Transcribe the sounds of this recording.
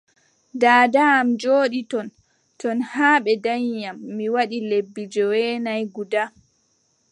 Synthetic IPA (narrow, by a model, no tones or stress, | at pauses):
daːdaːmd͡ʒoːɗitɔn | tɔnhaːɓɛdaɲːamːiwaɗilebːid͡ʒɔwɛnajɡuda